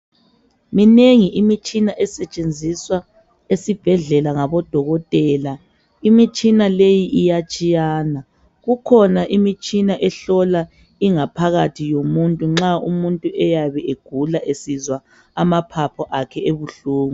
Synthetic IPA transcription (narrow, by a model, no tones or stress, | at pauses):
mineŋiʔimit͡ʃʼinaʔɛsɛt͡ʃʼend͡zʱiswa | esib̥ʱɛɮɛlaŋaβɔd̥ʱɔɣɔtʼɛːla | imit͡ʃʼinalejiʔijat͡ʃʼijaːna | ɣukʰɔnaʔimit͡ʃʼinaʔɛɬɔla | iŋapʰaɣatʰijomuntʼuŋ͡ǁaumuntʼuʔɛjaβɛʔeɡ̥ʱulaʔesizwa | amapʰapʰɔʔakʰɛeβuɬuːŋu